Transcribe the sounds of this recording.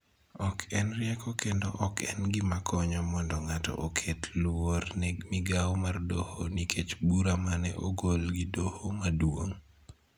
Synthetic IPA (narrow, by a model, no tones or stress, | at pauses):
ɔkʰɛnrɪɛkʰɔkendoʔɔkʰɛ̰nɡimakʰɔɲɔmɔndɔŋatɔ̰ʔokʰetlwornɛɡmiɡawmardohonikʰet͡ʃbuɾamanɛʔoɡolɡidohomadwoŋ